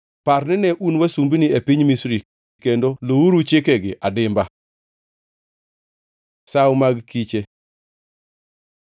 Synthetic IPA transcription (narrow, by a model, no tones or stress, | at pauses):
paɾnɪnɛʔunwasumbinɪepiɲmisɾi | kendolouɾut͡ʃekeɡɪʔadɪmba | sawmaɡkit͡ʃe